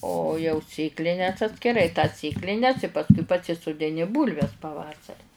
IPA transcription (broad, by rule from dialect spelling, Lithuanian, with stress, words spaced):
oː jɛʊ ˈsʲeːklʲɪnʲɛs ɐtʲsʲkʲɪˈrɐɪ tɐs ˈsʲeːklʲɪnʲɛs pɐsˈkʊɪ pɐsʲɪsʊdʲɪˈnʲɪ ˈbuːlʲʋʲɛs pɐˈʋɑːsɐrʲɪ